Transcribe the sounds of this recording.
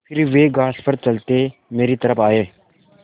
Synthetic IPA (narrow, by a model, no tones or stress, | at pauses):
pʰɪɾʋeːɡaːspəɾt͡ʃəlt̪emeːɾit̪əɾəpʰaːeː